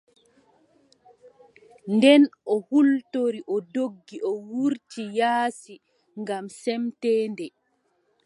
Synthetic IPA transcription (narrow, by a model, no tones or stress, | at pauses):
ndɛnʔɔhultoɾiʔɔdoɡːiʔɔwuɾtijaːsi | ŋɡamsɛmtɛːndɛ